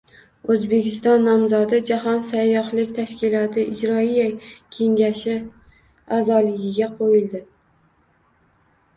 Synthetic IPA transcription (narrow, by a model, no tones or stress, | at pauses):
ɵzbe̞kʲɪst̪ɒnːɒmzɒd̪ɪd͡ʒaɦɒnsajːɒhlɪkʲt̪ʰaʃkʲɪlˠɒt̪ʰɪʔɪd͡ʒɾɒijakʲʰe̞ŋɡʲaʃɪ | azɒlɪɡʲɪɡʲaqʰojɪld̪ɪ